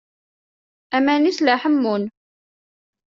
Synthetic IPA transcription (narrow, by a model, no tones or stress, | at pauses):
æmænislaħəmːun